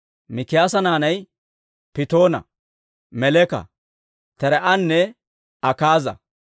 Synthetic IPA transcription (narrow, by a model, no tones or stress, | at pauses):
mɪkɪjaːsɐnaːnɐj | pɪt̪o̞ːnɐ̰ | mɛlɛkɐ̰ | t̪ɛɾɛʔɐnːɛ | ɐkaːzɐ̰